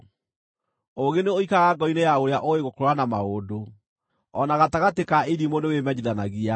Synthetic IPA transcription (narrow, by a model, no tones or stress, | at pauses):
oɣeneoikaɣaɡɔinejaoɾeaʔoeɣokooanamaodo | ɔnaɣataɣatekaeɾimonewemɛɲeðanaɣia